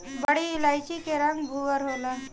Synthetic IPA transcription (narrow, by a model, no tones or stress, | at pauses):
bəɽiilajt͡ɕikeɾaŋɡbʱuɡəɾɦola